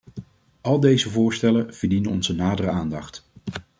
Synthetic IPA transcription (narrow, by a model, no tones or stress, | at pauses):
ɑlˠdejzəvʊːɹstɛlənv̥əɹdinənɔnzənaːdərəaːndɑχt